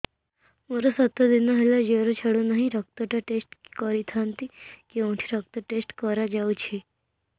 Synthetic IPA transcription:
muɾəsət̪ːəd̪inːaɦelad͡ʑeʋɾət͡ɕʰaɽunaɦiɾək̚t̪əʈaʈesʈkəɾit̪ʰant̪iːkeʋəɳʈʰiːɾək̚t̪əʈesʈkəɾad͡ʑawt͡ɕʰe

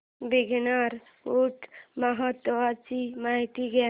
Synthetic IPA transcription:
biɡʱnaɾ | uʈmaɦət̪ʋat͡ʃimaɦit̪iɡe

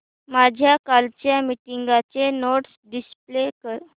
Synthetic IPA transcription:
mad͡ʑʱjakalt͡ɕjamiʈiŋɡat͡senoʈsɖisp̚lekəɾ

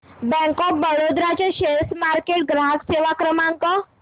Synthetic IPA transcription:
bɛ̃ŋkɔp̚bəɽod̪ɾat͡ɕeɕesmaɾkeʈ̚ɡɾaɦəkseʋakɾəmãŋkɔ

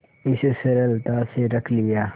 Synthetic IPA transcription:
ɪssɐɾəlt̪aseɾɐkʰliaː

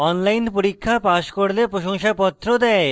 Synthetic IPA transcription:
ɔnlajnpoɾikʰːapaʃkoɾlepɾoʃoŋʃapɔt̪ːɾod̪ɛe

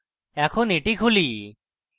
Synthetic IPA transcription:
ɛkʰoneʈikʰuli

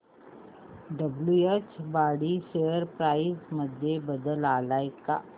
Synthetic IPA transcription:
ɖəbluet͡ʃbaɽiʃejəɾpɾaisməd̪ʱjebəd̪əlaːlajka̰

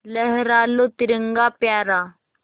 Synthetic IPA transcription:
ləɦɾaːlot̪iɾəŋɡaːpjaːɾaː

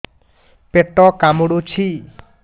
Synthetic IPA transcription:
peʈɔkamuɽut͡ʃʰi

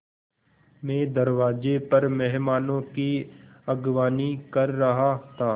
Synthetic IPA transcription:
mẽːd̪ɐɾʋaːd͡ʒepɐɾmɛɦmaːnõkiɐɡʋaːnikɐɾːɐɦat̪ʰaː

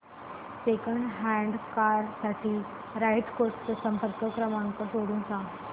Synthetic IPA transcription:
sekəɳɖɦaɳɖkaɾsaʈʰiː | ɾajʈkoʈt͡səsəmpəɾkəkɾəmaŋkəsoɽũːnsa

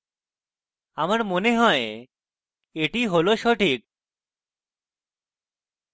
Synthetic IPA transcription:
amaɾmoneɦɔe | eʈiɦoloʃɔʈʰik̚

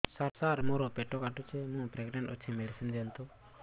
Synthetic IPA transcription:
saɾsaɾmɔɾɔpɛʈɔkaʈut͡ʃɛmũpɾɛɡɖɛɳʈɔt͡ʃʰɛmɛɖisind̪ɛnt̪u

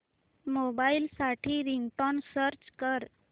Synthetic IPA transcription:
mobailsaʈʰiːɾiŋɡʈɔnsəɾt͡ɕkəɾ

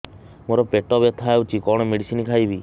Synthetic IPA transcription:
moɾɔpeʈɔbjɔt̪ʰaut͡ʃʰikɔɽ̃ɔmeɽisinikʰajbi

